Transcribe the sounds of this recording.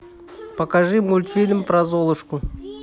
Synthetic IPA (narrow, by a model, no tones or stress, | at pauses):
pɐkaʐɨmulʲt̪fʲilʲɪmpɾazolˠəʃku